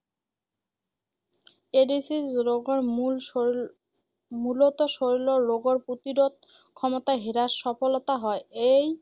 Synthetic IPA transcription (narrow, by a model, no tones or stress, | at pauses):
eɖisizɾoɡoɾmul | mulot̪oʃoɾiloːoɡoɾpɾot̪iɾod̪̚ | kʰɔmot̪aɦiɾaɾʃɔfolot̪aɦɔeej